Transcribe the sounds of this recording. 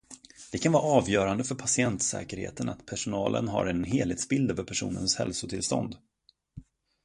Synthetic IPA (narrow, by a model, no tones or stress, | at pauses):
d̪̥ɛkʰanvɑːɾɑːvjœːɾand̪əfœɾpʰasɪɛnt̪sɛ̰ːkəɾhḛːt̪ənʔat̪pʰæʂʊnɑːlʔə̰nɦa̰ɾɛnɦeːlheːt̪sbɪld̪œːvœɾpʰæʂṵːnənshɛlsʊt̪ʰɪlst̪ɔ̰nd̪